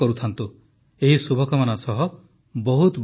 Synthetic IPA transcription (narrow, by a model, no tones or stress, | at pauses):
kɔɾut̪ʰant̪u | eɦisubʱɔkɔmanasɔɦɔ | bɔɦut̪b